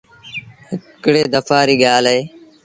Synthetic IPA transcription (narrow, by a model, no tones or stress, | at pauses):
ɦɪkɽeːd̪əfaːɾiːɠaːlɦeː